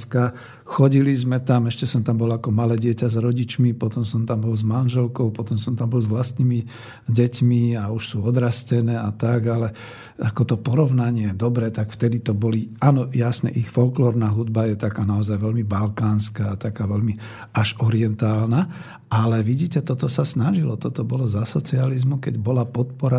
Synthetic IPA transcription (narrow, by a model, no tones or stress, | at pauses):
ska | xɔɟilizmɛt̪amɛʃcɛsɔmt̪ambɔlakɔmalɛːɟɪɛcazɾɔɟit͡ʃmipɔt̪ɔmsɔmt̪ambɔlzmanʒɛlkɔʊpɔt̪ɔmsɔmt̪ambɔlzʋlast̪nimi | ɟɛcmiauʃsuːɔd̪ɾascɛnɛːat̪aɡalɛ | akɔt̪ɔpɔɾɔʊnaɲɪɛjɛd̪ɔbɾɛːt̪akft̪ɛd̪it̪ɔbɔliaːnɔjasnɛ̰ʔixfɔlklɔːɾnaːɦud̪bajɛt̪akaːnaɔzajʋɛlmibalkaːnskaːt̪akaːʋɛlmi | aʒɔɾiɛnt̪aːlna | alɛʋiɟiːcɛt̪ɔt̪ɔsasnaʒilɔt̪ɔt̪ɔbɔlɔzasɔt͡sializmukɛ̰ɟbɔlapɔt̪pɔɾa